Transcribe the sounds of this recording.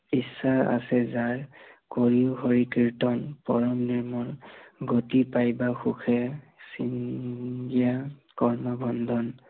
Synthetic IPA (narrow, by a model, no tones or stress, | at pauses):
isaa̰sɛzaɹkoɹiʊhoɹikiɹtɔnpɔɹɔmniɹmɔɹɡotipajbaxukʰɛ | sinɡijakɔɹmɔbʱɔndʱɔn